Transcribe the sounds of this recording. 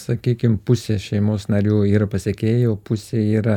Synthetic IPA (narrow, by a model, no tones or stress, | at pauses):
sɐkʲiːkʲɪmpʊsʲeːʃʲɛɪmoːsnɐɾʲuːiːɾɐpɐsʲekʲeːjoːpʊsʲeːiːɾɐ